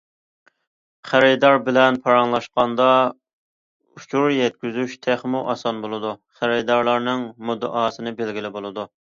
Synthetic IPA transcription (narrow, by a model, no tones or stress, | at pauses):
χæɾid̪ɑɾbɪlɛnpʰɑɾɑŋlˠɑʃqɑnd̪ɑ | ut͡ʃʰuɾjɛt̪̚kʲyzyʃt̪ʰeχmuʔɑsɑnbolˠɨd̪uχæɾid̪ɑɾlˠɑɾnɨŋmud̪ɨ̰ʔɑːsɨnɨbelɡʲilɪbolˠɨd̪u